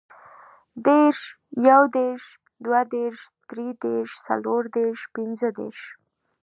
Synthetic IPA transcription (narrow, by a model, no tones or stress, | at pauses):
d̪eɾʃ | jawd̪eɾʃ | d̪wad̪eɾʃd̪̥ɾed̪eɾʃsa̰loɾd̪eɾʃpinzəd̪ḛɾʃ